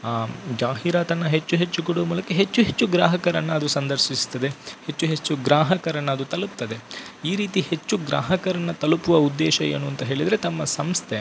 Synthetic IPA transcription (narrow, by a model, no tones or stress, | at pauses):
d͡ʒaːɦiɾaːt̪ɐnːɐɦet͡ʃːuɦet͡ʃːukuɽuʋɐmuːlɐkːeɦet͡ʃːuɦet͡ʃːuɡɾaːɦɐkɐɾɐnːɐɐd̪usɐnd̪ɐɾʃist̪ːɐd̪e̞het͡ʃːuɦe̞t͡ʃːuɡɾaːɦɐkɐɾɐnːɐːd̪ut̪ɐlup̚t̪ːɐd̪e̞iːɾiːt̪ihe̞t͡ʃːuɡɾa̰ːɦɐkɐɾɐnːɐt̪ɐlupuʋɐud̪ːɛːʃɐjḛːnuɐnt̪ɐɦe̞ːɭid̪ɐɾe̞t̪ɐmːɐsɐmst̪ʰe